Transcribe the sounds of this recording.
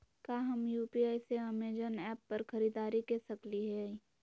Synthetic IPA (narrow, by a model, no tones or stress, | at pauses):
kaːɦɐmjuːpiaːiseɐmeːd͡ʒənɛːpːɐɾxɐɾiːd̪aːɾikesɐkliɦɛ